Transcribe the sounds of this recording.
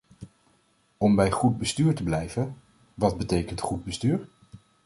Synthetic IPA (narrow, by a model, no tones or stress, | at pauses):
ɔmbɛjχud̚bəstyːɹtəblɛjvən | ʋɑd̚bətejkəntχud̚bəstyːɹ